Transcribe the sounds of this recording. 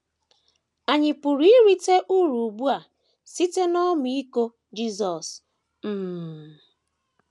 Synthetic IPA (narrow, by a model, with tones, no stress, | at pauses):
a˨ɲɪ˨pʊ˨ɾi˦i˦ɾi˦te˦ʔu˦ɾu˨bu˦a˨ | si˦te˦nɔ˦m˨i˦ko˦ | d͡ʒi˦zɔ˨s | m̩˦˨m˨